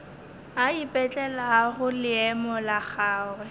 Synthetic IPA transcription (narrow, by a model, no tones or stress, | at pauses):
aipʼɛt͡ɬʼɛlaɣʊlɪɛmɔlaχaːwɛ